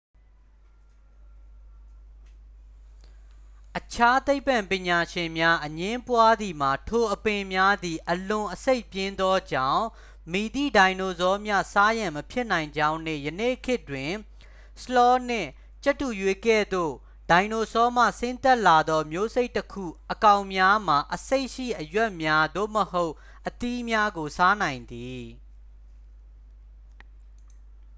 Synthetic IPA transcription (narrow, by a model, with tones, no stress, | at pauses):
ʔət͡ɕʰa˦t̪e˦ɪpːã˨mpɪ̃˨ɲa˨ʃɪ̃˨mja˦ʔəɲɪ̃˦mpwa˦d̪i˨ma˨tʰo˨ʔəpɪ̃˨mja˦d̪i˨ʔəlʊ̃˨ʔəse˦ɪpjɪ̃˦nd̪ɔ˦d͡ʑã̰˦˨ʊ̃ | mi˨d̪ḭ˦˨dã˨ɪ̃no˨zɔ˦mja̰˦˨sa˦jã˨məpʰjɪ˦ʔnã˨ɪ̃ɲd͡ʑã˦ʊ̃nɪ̰̃˦˨jə˨nḛ˦˨kʰɪ˦twɪ̃˨ | slɔ˦n̥ɪ̰̃˦˨ | t͡ɕɛ˦tːu˨jwe˨kɛ̰˦˨d̪o̰˦˨ | d̥ã˨ɪ̃no˨sɔ˦m̥ä̰˦˨sɪ̃˦nt̪ɛ˦ʔla˨d̪ɔ˦mjo˦ze˦ɪʔtːəkʰṵ˦˨ʔəkã˨ʊ̃mja˦m̥a˨ʔəse˦ɪʔʃḭ˦˨ʔəjwɛ˦ʔmja˦d̪o̰˦˨məho˦ʊ | ʔət̪i˦mja˦ɡo˨sa˦nã˨ɪ̃nd̪i˨